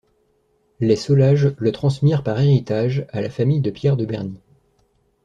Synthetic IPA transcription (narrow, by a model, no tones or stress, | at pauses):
lesɔlaʒlət̪χɑ̃smiʁpaʁeʁit̪aʒalafamijd̪əpjɛʁd̪əbɛʁni